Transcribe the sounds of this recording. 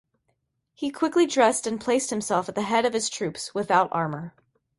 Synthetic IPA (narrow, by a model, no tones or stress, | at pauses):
hikʰw̥ɪklidɹɛstɨ̃npʰl̥eɪst̚hɨ̃msɛlˠfət̪̚ðɨɦɛɾʌv̥ɨz̥tʰɹ̥ʉpswɨθaʊɾɑ̰ɹmə˞